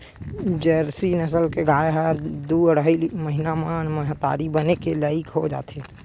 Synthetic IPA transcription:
d͡ʒɛɾsinəsəlkeɡʱaːeɦɛd̪uəɽiməɦɪnamaːnməɦat̪a̰ːɾibənekelaːɪkɦod͡ʒa̰ːt̪e

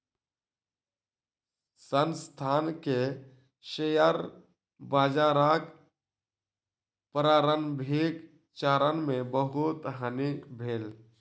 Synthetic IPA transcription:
sənst̪ʰaːnke | ʃejəɾ | baːd͡ʒaːɾaːk | pəɾaːɾənbʱeːk | t͡ʃaːɾənmẽbəɦʊt̪ɦənibʱeːl

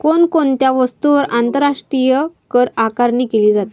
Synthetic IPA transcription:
konkont̪jaʋəst̪uʋəɾʔant̪əɾaʂʈɾijəkəɾakaɾɳiːkeliːd͡zat̪

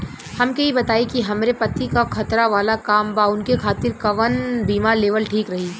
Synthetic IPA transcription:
hɐmkeɦibɐt̪aːikiɦɐmɾepɐt̪ikakʰɐt̪ɾaʋaːlakaːmbaʊnkekʰaːt̪ɪɾkɐʋənbʱiːmaleːʋəlʈʰiːkɾɐɦiː

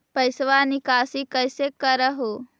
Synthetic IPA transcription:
pəɪsʋaːnikaːsikəjsekəɾəɦo

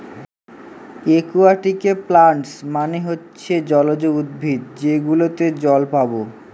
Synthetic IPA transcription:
ekuaʈikeplaɳʈsmaniɦotːɕʰed͡ʑɔlod͡ʑoud̪̚bʱid̪d͡ʑeɡulot̪ed͡ʑɔlpabo

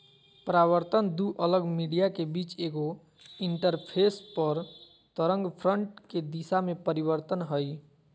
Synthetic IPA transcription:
pəɾaβəɾt̪ənd̪uʔələɡmiɽijakebit͡ʃeɡo | iɳʈəɾpʰespəɾ | t̪əɾə̃ŋɡpʰɾəɳʈked̪isamepəɾibəɾt̪ənɦəj

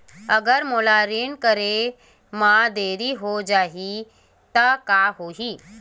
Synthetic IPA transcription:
əɡəɾmolaɾiɳkəɾe | mad̪eːɾiɦod͡ʒaːɦi | t̪əkaɦoɦiː

